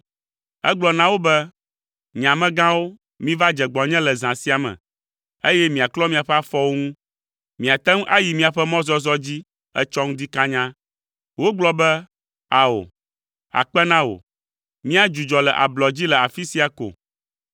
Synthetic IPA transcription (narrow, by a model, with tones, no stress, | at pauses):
ɛ̰˦ɡ͡blɔ˨nã˦wo˦bɛ˦ | ɲã˨mɛ̃˦ɡã˦wo˦ | mĩ˦va˦d͡ʒɛ˨ɡ͡bɔ˨ɲɛ̃˦lɛ˨zã˨si˦a˨mɛ̰̃˨ | e˦jɛ˦mĩ˨a˨klɔ˦mĩ˦a˨ɸɛ˦a˦fɔ˦wo˦ŋũ˦ | mĩ˨a˨t̪ɛ˦ŋ˦ʔa˦ji˨mĩ˦a˨ɸɛ˦mɔ̃˦zɔ˦zɔ˦d͡ʑi˦ | ɛ̰˦t͡ʃɔ˦ŋũ˦d̪i˦kã˦ɲã˦ | wo˦ɡ͡blɔ˦bɛ˦ | a˨o̰˨ | a̰˨k͡pɛ˦nã˦wo̰˨ | mĩ˦a˦d͡ʒu˨d͡ʒɔ˨lɛ˨ʔa̰˨blɔ˨d͡ʑi˦lɛ˨a˨fi˦si˦a˨ko̰˨